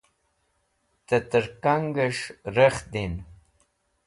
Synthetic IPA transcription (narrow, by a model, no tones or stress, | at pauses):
t̪ət̪əɾkaŋɡəʂɾəχd̪in